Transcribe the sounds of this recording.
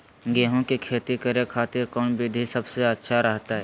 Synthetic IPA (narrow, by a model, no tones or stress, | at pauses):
ɡɛːɦõkikʰeːt̪ikɐɾekʰaːt̪ɪɾkɔːnbʱɪd̪ʱisɐbseɐtːʃʰaɾɐɦt̪aɦɛː